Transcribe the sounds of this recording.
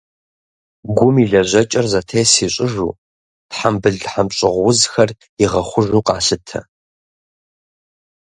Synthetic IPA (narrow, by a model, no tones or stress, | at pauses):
ɡʷʊmiɮɐʑɐt͡ʃʼɐrzɐtʰejsiːɕʼɪʒṵː | tħambɨɮħamɕʼɪʁʷwʊzxɐr | iʁɐχʷʊʒuːqɑ̰ːsɨtʰɐ̰